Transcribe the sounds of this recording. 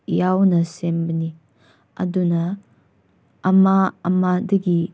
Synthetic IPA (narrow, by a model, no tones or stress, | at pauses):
jawnɐsembɐni | ɐ̰dunɐ | maɐmadɐɡi